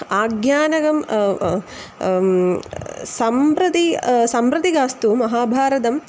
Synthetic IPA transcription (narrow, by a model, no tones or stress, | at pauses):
aːɡjaːnɐɡɐm | sɐmpɾɐt̪isɐmpɾɐt̪iɡaːst̪uːmɐɦaːbʱaːɾɐt̪ɐm